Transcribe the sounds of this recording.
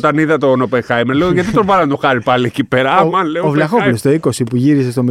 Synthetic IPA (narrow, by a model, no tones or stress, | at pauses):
t̪ɐniðɐt̪onopexɐjmenleoʝɐt̪it̪ovɐɾɐnɐt̪oxɐɾipɐliecipeɾɐmɐleovlɐxovlost̪oiko̞sipuʝiɾise̞st̪o̞mi